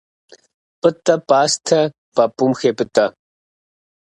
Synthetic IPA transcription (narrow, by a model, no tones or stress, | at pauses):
pɨt̪ʼːɐpʼaːst̪ʰɐ | pɐpʼumxepɨt̪ʼɐ